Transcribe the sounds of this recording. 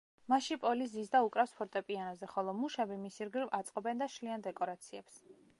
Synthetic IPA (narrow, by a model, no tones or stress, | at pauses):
maʃipʼɔliszisd̪aukʼɾafspʰɔɾt̪ʼɛpʼianazɛχɔlˠɔmuʃɛbimisiɾɡɾivat̪sʼqʼɔbɛnd̪aʃliand̪ɛkʼɔɾat̪sʰiɛps